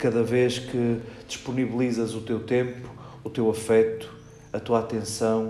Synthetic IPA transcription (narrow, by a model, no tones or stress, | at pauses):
kɐðɐveʃkɨd̪iʃpuniβilˠizɐzut̪ewt̪ẽmpu̥ː | t̪ewɐfɛt̪u̥ | ɐt̪uat̪ẽsɐ̃w̃